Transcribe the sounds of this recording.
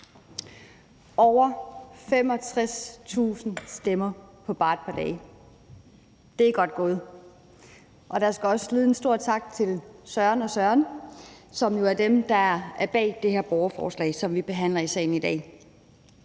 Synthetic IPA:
ɒʊɐfem̰ɒ̽t͡sʰʁast͡sʰṵːsn̩sd̥emɐpʰɒ̽b̥ɑ̈ːd̥̚pʰɑ̈d̥ɛː | d̥e̝æɡ̥ɒ̽d̥̚ɡ̥ɔ̽ːð̩ˠ | ʔɒ̽ɾ̥ɑ̈sɡ̥æɒ̽sliːð̩ˠensd̥o̝ɐ̰t͡sʰɑ̈ɡ̥t͡sʰe̝lsɶɐnɒ̽sɶɐn | sɒ̽mjo̝æɐdemd̥ɑ̈ææɐb̥ɛ̰ːd̥e̝heɐb̥ɒʊɐfɒ̰ːslɛ̰ːsɒ̽mʋib̥e̝ɦæn̰lɐisɛ̰ːɪn̩id̥ɛ̰ː

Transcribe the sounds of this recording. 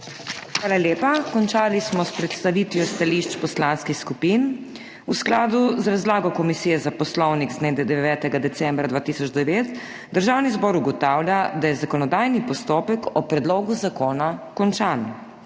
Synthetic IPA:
xʋaːlaljeːpakɔnt͡ʃaːlismɔspɾɛt̪st̪aʋiːt̪ʋjɔst̪aliʃt͡ʃpɔslanskixskupiːn | usklaːd̪uzɾazlaːɡɔkɔmisiːjɛzapɔslɔwniɡzneːd̪ɛd̪ɛʋʲɛːt̪ɛɡad̪ɛsɛmbɾad̪ʋaːt̪iːsɔd͡ʒd̪ɛʋeːt̪ | d̪əɾʒaːwnizbɔːɾuɡɔt̪aːwljad̪ajɛzakɔnɔd̪ajnipɔst̪oːpɛkɔpɾɛd̪loːɡuzakoːnakɔnt͡ʃaːn

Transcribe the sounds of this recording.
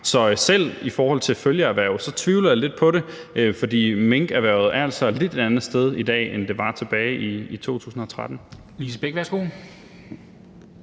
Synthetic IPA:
sɒ̽sel̰ifɒːhɒ̽l̰t͡sʰe̝føljəæʋæɐʊð̩ˠsɒ̽t͡sʰʋiʊləjɑ̈le̝d̥̚pʰɒ̽ɾe̝ | øfɒ̽d̥ḭːmeŋɡ̥æʋæɐʊð̩ˠæɐæl̰sɒ̽e̥le̝d̥e̝d̥ænð̩ˠsd̥eð̞ˠid̥ɛ̰ːend̥e̝ʋɑ̈t͡sʰe̝b̥ɛːɪʔiit͡sʰo̝̰ːt͡sʰṵːsn̩ɒ̽t͡sʰʁad̥n̩ | lisəb̥eɡ̥ʋæɐsɡ̥o̝ː

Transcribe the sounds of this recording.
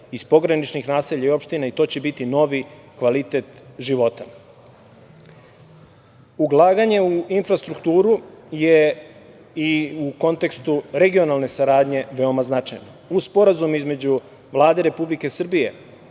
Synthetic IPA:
ispo̞ɡɾanit͡ʃnixnaːseʎaio̞pʃt̪inait̪o̞ːt͡ɕe̞bit̪ino̞ʋikʋalit̪e̞t̪ʒiʋo̞t̪a | uɡlˠaːɡaɲe̞uinfɾast̪ɾukt̪uːɾuje | iuko̞nt̪e̞kst̪uɾe̞ɡio̞nalne̞saɾaːd̪ɲe̞ʋe̞o̞maznat͡ʂajnouspo̞ɾazumizme̞d͡ʑu | ʋlˠaːd̪e̞ɾe̞publike̞sr̩bije̞̰

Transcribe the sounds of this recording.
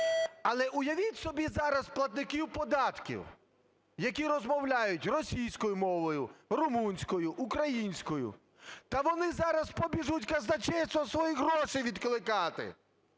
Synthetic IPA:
ɐlˠɛʔʊjɐʋʲitʲsɔbʲizɑɾɐsplˠɐt̪̚nɪkʲiwpɔd̪ɑt̪kʲḭw | jɐk̬ʲiɾɔzmɔwlʲajʊtʲrɔsʲijsʲkɔjʊmɔʋɔjʊrʊmunʲsʲkɔjʊʔʊkɾɐjinʲsʲkɔjʊ̰ | t̪ɐʋɔnɪzɑɾɐspɔbʲiʒutʲkɐznɐt͡ʃɛsʲt̪ɔsʋɔjiɦɾɔʃɪjʋʲid̪klˠɪkɑt̪ɪ̰

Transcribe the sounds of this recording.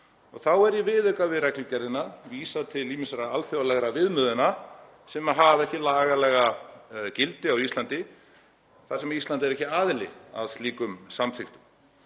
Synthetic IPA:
ɔ̰ɣθawɛɾjɛvɪðʏkavɪðrɛklʏcɛɾðɪnaviːsat̪ʰɪlːiːmɪnsaɾaalfjowalɛɣɾavɪðmʏðʏna | sɛmaðɦavɛhcɪlaːɣalɛɣacɪlt̪ɪawist̪lant̪ɪ | θḁsɛmaist̪lant̪̬ɪɛɾɛhcɪaːðɪlɪ̰a̰ðst̪liːkʏmsamθɪxt̪ʏm

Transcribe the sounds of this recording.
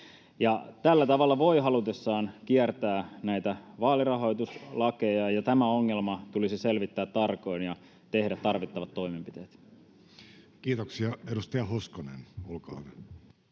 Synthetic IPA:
jɑt̪ælːæt̪ɑʋɑlːɑʋo̞iɦɑlut̪esːɑːnk̟iært̪æːnæjt̪æʋɑːlirɑɦo̞jt̪uslɑke̞jɑjɑt̪æmæoŋːelmɑt̪ulisise̞lʋit̪ːæːt̪t̪ːɑrko̞injɑ | t̪e̞hdæt̪ːɑrʋit̪ːɑʋɑt̪ːo̞imempit̪e̞ːt̪ | kiːt̪oksiɑedust̪ɑjɑhoskonḛnolkɑ̰ːn

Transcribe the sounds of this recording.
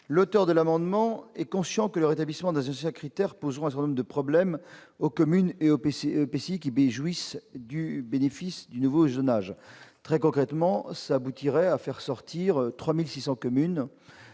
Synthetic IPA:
lot̪œʁd̪əlamɑ̃d̪mɑ̃ɛkɔ̃sjɑ̃kələʁet̪ablismɑ̃d̪ɛ̃zɑ̃sjɛ̃kχit̪ɛʁpozʁɔ̃ɛ̃sɛt̪ɛd̪ɔ̃ʁd̪əpχɔblɛmokɔmyneopeseopeseikʲibeʒwisd̪ybenefisd̪ynuvozonaʒt̪χɛkɔ̃kχɛt̪mɑ̃saːbut̪iʁɛafɛʁsɔʁt̪ʰiʁøt̪χwamilsisɑ̃kɔmyn

